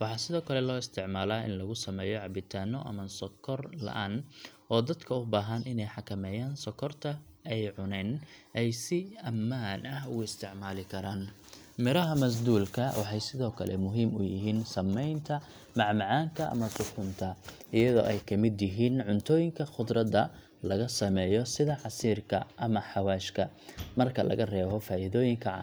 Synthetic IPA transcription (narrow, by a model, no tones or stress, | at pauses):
wɑħɑːsɪðɔːkʰɐlɛlɔːɪst̪ʰɪʕmaːlaːɪ̰nlɐɣʊsɐmɛːjɔʕɑbɪt̪ʰaːnɔʔɐ̰mɐnsɔkʰɔrlɐ̰ʔaːnʔɔːd̪ɐd̪kʰɐʊbaːɦɐnʔɪnɛjħɑkʰɐmɛːjaːnsɔkʰɔrt̪ʰɐ | ɛjʕʊnɛːnʔɛjsɪɐmːaːnʔɐɦʊɣʊɪst̪ʰɪʕmaːlɪkʰɐɾaːn | mɪɾɐɦɐmɐs̬d̪uːlkʰɐwʔɑħɑjsɪðɔːkʰɐlɛ̰mʊɦiːmʊjɪɦiːnsɐmːɛjnt̪ʰɐ | mɑʕmɑʕaːŋkʰɐʔɐ̰mɐsʊfʊnt̪ʰɐʔɪjɐðɔ̰ːʔɛjkʰɐmɪd̪jɪɦiːnʕʊnt̪ʰɔːjɪŋkʰɐχʊd̪rɐðɐ | lɐɣɐsɐmɛːjɔsɪðɐʕɑsiːrkʰɐ̰ʔɐmɐħɑwaːʃkʰɐ | mɐrkʰɐlɐ̰ɣɐrɛːβɔfaːʔɪðɔːjɪŋkʰɐʕ̰